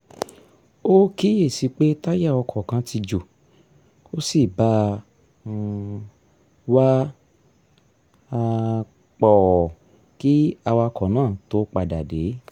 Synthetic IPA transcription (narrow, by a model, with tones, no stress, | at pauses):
o˦ki˦je˦˨si˨˧˦k͡pe˦ta˦ja˦˨ɔ˧kʰɔ˨kã˨˧˦tʰi˧d͡ʒo˨ | o˦si˦˨bã˨˦˧ | wa˦ | a˧ | k͡pɔ˨ɔ˨ | ki˦a˧wa˧kʰɔ˨˦nãː˦˨to˦k͡pa˧˨da˨de˨˦